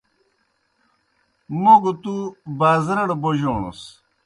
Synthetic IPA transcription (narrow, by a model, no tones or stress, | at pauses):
moɡt̪ubaːzɾɐɽboʑoːɳṵs